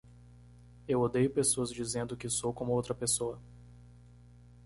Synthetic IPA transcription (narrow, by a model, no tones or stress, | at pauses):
ewod̪ejʊpesoɐzd͡ʒizẽnd̪ʊkɪsowkõmʊowt̪ɾɐpesoɐ